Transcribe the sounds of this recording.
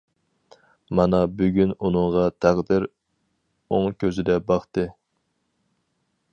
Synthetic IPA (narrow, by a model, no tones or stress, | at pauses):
mɑnɑbyɡʲynunɨŋʁɑt̪ʰæʁd̪ɪɾ | oŋkʲʰøzɪd̪ɛbɑχt̪ɨ